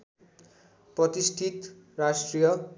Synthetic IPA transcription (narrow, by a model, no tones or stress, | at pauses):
prʌt̪isʈʰit̪rasʈrijʌ